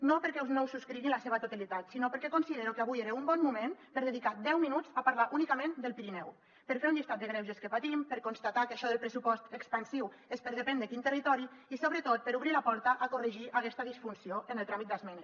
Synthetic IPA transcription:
nopəɾkɛwznowsuskɾiɣinlaseβ̞ət̪ut̪alit̪at̪sinopəɾkɛkonsiðeɾukeaβujeɾeumbɔnmumenpəɾðəðikad̪ɛwminud͡zapaɾlaʔunikamend̪əlˠpiɾinɛw | pəɾfeɾunʎist̪at̪̚d̪əɣɾewʒəskəpat̪impəɾkonst̪at̪akaʃɔðəlˠpɾəsupɔst̪əkspansiw | espəɾðəpɛnd̪əkint̪ərit̪ɔɾiisoβɾət̪ot̪̚pəɾuβɾilapɔɾt̪əʔakurəʒiʔakɛst̪əðisfunsioʔənəlˠt̪ɾamit̪̚d̪azmɛne

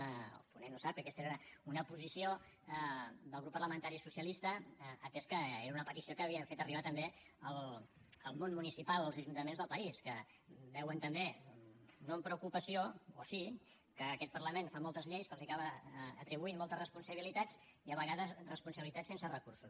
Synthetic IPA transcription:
punenːosap̚kəkɛst̪eɾɾəunəpuzisio | d̪əlˠɣɾupːərləmənt̪aɾisusjəlist̪əːt̪ɛskəeɾəunəpət̪isiokəːβiəɱfet̪əriβat̪əmbeəlˠ | əlˠmonmunisipalˠəlzəʒunt̪əmenzðəlˠpəiskə | bɛwənt̪əmbe | noəmpɾəukupəsioo̰si | kəːkɛt̪̚pərləmenfamɔlˠt̪əzʎejskəlˠzikaβəət̪ɾiβuinmːɔlˠt̪əzrəspunsəβilit̪ad͡z | iəβəɣaðəsrəspunsəβilit̪asensərəkursus

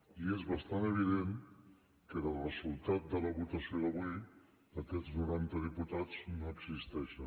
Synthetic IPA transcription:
iezβəst̪anəβ̞iðen | kəðəlˠrəzulˠt̪at̪̚d̪ələβut̪əsioðəβu | əkɛznuɾant̪əðiput̪ad͡znoəɡsist̪ɛʃə

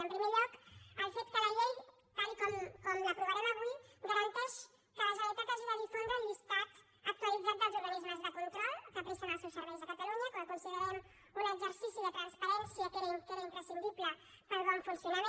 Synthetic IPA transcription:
əmpɾimeʎɔkəlˠfet̪kəlɐʎej | t̪alikomkɔmlapɾuβaɾɛmaβuid̪aβənt̪ɛʃ | k̪ələzalt̪at̪azðaðifund̪ɾəllist̪at̪ | ək̚t̪ualid͡zat̪̚d̪əlˠʒuβənizmazðapulukɾalkapɾesanasesəɾezəkat̪aluɲɐkoakunsiɣeɾan | unəɡzəɾsisiðət̪ɾɐnspɐɾɛnsiəkeɾɐkeɾaimpɾəsind̪iβlə | pəɾβaɱfunsjunaɾ

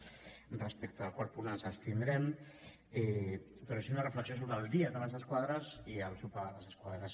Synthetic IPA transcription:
rəspɛk̚t̪əːlˠkwaɾt̪̚punanzəlˠst̪ind̪ɾɛm | ɛpɾɔseezunərəfləksiosoβɾəlˠd̪iəðələzəskwaðɾəziəlˠsupaləzəskwaðɾəs

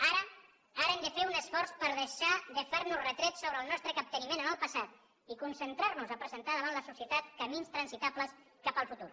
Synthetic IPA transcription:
aɾə | aɾəɛmd̪əfeunəsfɔɾspəɾðəʃaðəfeɾnuzrət̪ɾɛtsoβɾəlˠnɔst̪ɾəkap̚t̪ənimenənəlˠpəsat̪ | ikunsənt̪ɾaɾnuzəpɾəzənt̪aðəβanləsusiət̪at̪kəminst̪ɾənsit̪apləs | kapəlˠfut̪ṵɾ

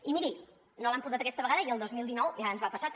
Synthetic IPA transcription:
imiɾi | nolampuɾt̪at̪əkɛst̪əβəɣaðəiəlˠd̪ozmilˠd̪inɔwʒanzβapəsa

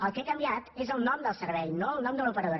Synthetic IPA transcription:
əlˠkekəmbiat̪ezəlˠnɔmd̪əlˠsəɾβɛjnoəlˠnɔmd̪əlupəɾəðoɾ

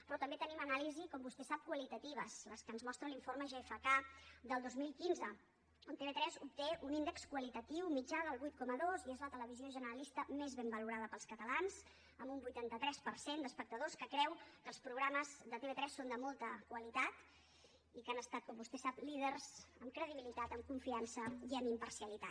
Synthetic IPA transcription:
pɾɔt̪əmbet̪ənimənalizikɔmbust̪ɛsap̚kwəlit̪ət̪iβ̞əzləskənzmɔst̪ɾəliɱforməʒeefəkad̪əlˠd̪ozmilˠkinzə | ont̪eβet̪ɾɛzup̚t̪eʔunind̪əkskwəlit̪ət̪iwmid͡ʒaðəlˠβujt̪̚kɔməðoziezlət̪ələβ̞izioʒənəɾəlist̪əmezβembəluɾaðəpəlˠskət̪əlanz | əmbumbujt̪ant̪ət̪ɾɛspəɾsend̪əspək̚t̪əðoskəkɾɛwkəlˠspɾuɣɾaməzd̪ət̪eβet̪ɾɛsːond̪əmɔlˠt̪əkwəlit̪at̪ | ikanəst̪at̪̚kɔmbust̪ɛsaplið̞ərz̥əmkɾəðiβilit̪at̪əmkuɱfiansəiəmimpərsiəlit̪at̪

